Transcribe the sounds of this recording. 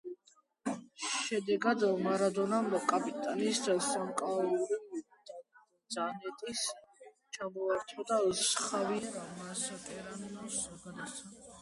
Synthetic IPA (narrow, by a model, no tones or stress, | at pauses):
ʃɛd̪ɛɡad̪maɾad̪ɔnamɾakʼapʼit̪ʼaniːsd̪asamkʼauɾi | d̪zanɛt̪ʼis | t͡ʃʰamɔaɾt̪ʰɔd̪asχavimasakʼɛɾanmasɔɡad̪aa